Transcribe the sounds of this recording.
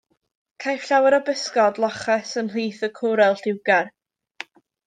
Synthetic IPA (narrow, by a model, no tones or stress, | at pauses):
kʰajfɬawɛɾɔbɪskɔdlˠɔχɛsənl̥iːθəkʰʊɾɛlˠɬɪwɡar